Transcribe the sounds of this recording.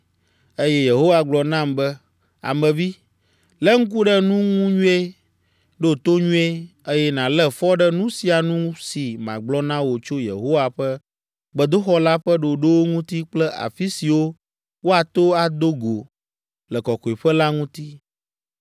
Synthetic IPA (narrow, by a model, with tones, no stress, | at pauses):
e˦jɛ˦je˨ɦo˦wa˨ɡ͡blɔ˨nã˦˨mbɛ˦ | a̰˨mɛ̃˨vi˦ | lɛ˦ŋ̩˦k̬u˦ɖɛ˦nũ˦ŋũ˦ɲũ˦e˦ | ɖo˦˨t̪o˦ɲũ˦e˦e˦jɛ˦nã˨lɛ˦fɔ˦ɖɛ˦nũ˦si˨a˨nũ˦si˨mã̰˨ɡ͡blɔ˦nã˦wo˨t͡ʃo˦jḛ˨ɦo˦wa˨ɸɛ˦ | ɡ͡bə˨d̪o˦xɔ˦la˦ɸə˦ɖo˨ɖo˦wo˦ŋũ˦t̪i˦k͡plɛ˦a̰˨fi˦si˨wo˦ | wo˦a˨t̪o˦a˨d̪o˦ɡo˨ | lɛ˨kɔ˨kɔ˨i˨ɸɛ˦la˦ŋũ˦t̪i˦